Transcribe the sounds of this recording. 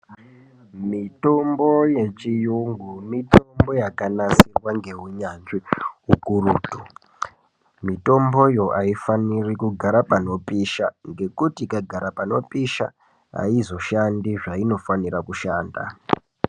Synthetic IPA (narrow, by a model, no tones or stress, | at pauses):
mito̞mbo̞je̞t͡ʃijuŋɡumito̞mbo̞jakanasirwaŋɡe̞ɦuɲanʐiɦukuruːtu | mito̞mbo̞jo̞ʔaifanirikuɡʱaɾapano̞piʃaŋɡe̞kutikaɡʱaɾapano̞piʃa̰ | a̰izo̞ʃandiʐaino̞fanirakuʃaːnda̰